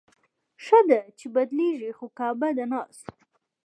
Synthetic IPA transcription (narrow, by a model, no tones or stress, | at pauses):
ʂəd̪at͡ʃebad̪leʒixokɑbad̪anɑs